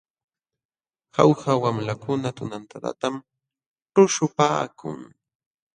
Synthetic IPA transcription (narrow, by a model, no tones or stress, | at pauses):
ha̰whawamlakʊnat̪ʊnant̪at̪a̰t̪am | ʈ͡ʂʊʃʊpaːkʰʊ̰ŋ